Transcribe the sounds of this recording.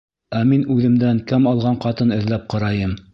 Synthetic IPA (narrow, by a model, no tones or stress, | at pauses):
æminʉðɘ̆md̪æŋkæmɑlˠʁɑɴqɑt̪ɤnɘ̆ðlæp̚qɑɾɑjɤm